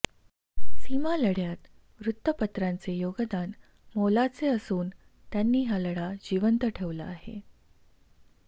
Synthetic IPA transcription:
simaləɽjat̪ | ʋɾut̪ːəpət̪ɾant͡sejoɡəd̪an | molat͡seəsuːn | t̪janːiːɦjaləɽad͡ʑiʋənt̪əʈʰeʋla̰ːɦḛ

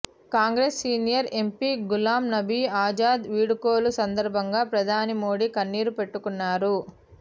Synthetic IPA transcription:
kaːŋɡɾeːsːiːnijɐɾe̞mpiɡulaːmnɐbʱiaːd͡ʒaːd̪ʋiːɽukoːlusɐnd̪ɐɾbʱɐŋɡaːpɾɐd̪ʱaːnimoːɽikɐnːiːɾupeʈːukunːaːɾu

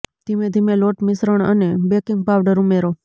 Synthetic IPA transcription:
d̪̥imẽd̪ʱimeloʈmɪsɾəɳ̃ə̰nebekiŋɡpaʋɖəɾumeɾo

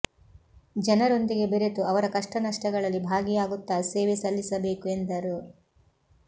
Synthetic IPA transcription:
d͡ʒɐnɐɾo̞nd̪iɡe̞beɾet̪uɐʋɐɾɐkɐʂʈɐnɐʂʈɐɡɐɭɐlːibʱaːɡijaːɡut̪ːaːseːʋesɐlːisɐbe̞ːkue̞nd̪ɐɾu

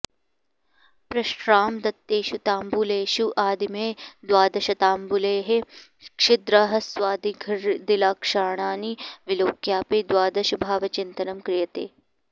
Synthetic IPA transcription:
pɾɐʃɾaːmd̪ɐt̪ːeːʃut̪aːmbuleːʃuʔaːd̪imeːd̪waːd̪ɐʃɐt̪aːmbuleːɦe | kʂɪd̪ɾɐɦɐsʋaːd̪iɡʱɐɾd̪ilaːkʂaːɳaːniʋɪloːkjaːpeːd̪waːd̪ɐʃɐbʱaːʋɐt͡ʃɪnt̪ɐnɐmkɾɪjɐt̪ḛː

